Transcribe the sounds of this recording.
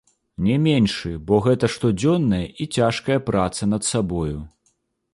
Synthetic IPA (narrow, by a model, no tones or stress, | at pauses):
nʲɛmʲenʲʂɨbɔɣɛt̪ɐʂt̪ɔd͡zʲɔnːɐjɐʔit͡sʲaʂkɐjɐpɾat̪sɐnɐt̪sabɔju